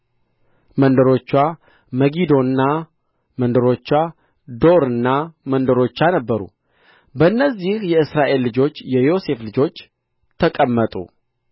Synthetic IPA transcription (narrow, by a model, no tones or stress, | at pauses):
mənd̪əɾo̞t͡ʃːwa | məɡid̪o̞ɨnːa | mənd̪əɾo̞t͡ʃːa | d̪o̞ɾɨnːamənd̪əɾo̞t͡ʃːanəbːəɾṵ | bəɨnːəzːihjɛɨsɾaʔe̞lːɨd͡ʒo̞t͡ʃːjɛjo̞se̞flɨd͡ʒo̞t͡ʃː | t̪ʰəkʼəmːət̪ʼṵ